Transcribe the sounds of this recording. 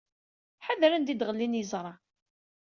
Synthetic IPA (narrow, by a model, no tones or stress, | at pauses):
ħaðɾænd̪id̪ʁəlːinjəzˤɾˤɑ